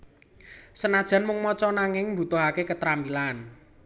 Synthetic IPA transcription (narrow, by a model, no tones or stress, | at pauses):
sənad̥ʒ̥a̤nmʊŋmɔt͡ʃɔnaŋɪŋmbṳt̪ʊɦakekət̪ɾambilaːn